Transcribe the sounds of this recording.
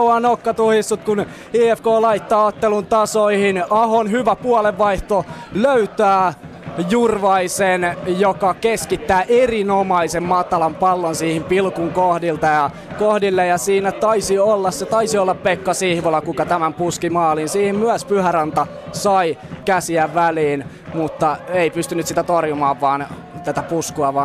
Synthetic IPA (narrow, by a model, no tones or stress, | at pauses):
ɑnokːɑt̪uhist̪ut̪kun | iːefkoːlɑit̪ːɑːot̪ːelunt̪ɑsoihinɑhonɦyʋæpuɑleʋːɑiht̪oløyt̪æː | jurʋɑisenjokɑkeskit̪ːæːʔerinomɑisemmɑt̪ɑlɑmpɑlːonsiːhimpilkuŋkohdilt̪ɑjɑ | kohdilːejɑsiːnæt̪ɑisiolːɑsset̪ɑisiolːɑppekːɑsihʋolːɑkukɑt̪æmæmpuskimɑːlinsiːhimmyæspyhærɑnt̪ɑ | sɑikæsiæʋæliːn | mut̪ːɑeipyst̪ynːyt̪sit̪æt̪orjumɑːʋʋɑːn | t̪æt̪æpuskuɑʋɑːn